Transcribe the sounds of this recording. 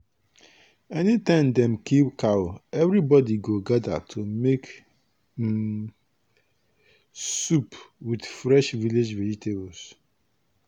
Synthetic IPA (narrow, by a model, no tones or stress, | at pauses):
ɛnitãɪ̃mdɛ̃mkipkawɛvɾibɔdiɡoɡada̰tʰomek | supwidfɾɛʃviled͡ʒvɛd͡ʒitʰebɔs